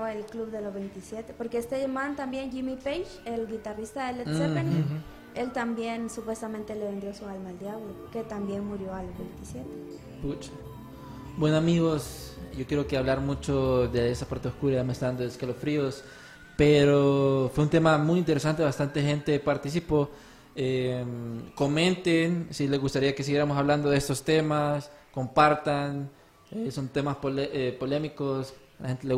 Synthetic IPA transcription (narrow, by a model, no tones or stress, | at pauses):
aelkluβðelozβe̞jnt̪isjet̪e̞po̞ɾkeest̪eʝamant̪ambje̞nʝimipejʃelɡit̪arist̪aðelesepeni | e̞lt̪ambje̞nsupwe̞st̪ament̪e̞leβend̪jo̞sualmaeld̪jaβloke̞t̪ambje̞nmuɾjo̞alozβejnt̪isje̞t̪e | put͡ʃḁ | bwenoamiɣosɟ͡ʝo̞kjeokeaβlaɾmut͡ʃoðeesapaɾt̪eoskuɾajamest̪aand̪oðeskelosfɾios | peɾofweunt̪e̞mamujint̪eɾes̬ant̪eβast̪ant̪e̞xe̞nt̪e̞paɾt̪is̬ipo | emko̞mẽ̞nt̪ensileɣust̪aɾiakesiɣjeɾamosaβland̪o̞ðe̞st̪o̞st̪e̞masko̞mpaɾt̪an | eso̞nt̪e̞maspolʔepo̞le̞miko̞s | lae̞nt̪ele